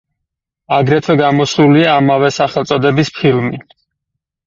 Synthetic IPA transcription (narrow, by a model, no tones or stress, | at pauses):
aɡɾɛt̪ʰwɛɡamɔsluliaːmavɛsaχɛlˠt̪sʼɔd̪ɛbispʰilˠmi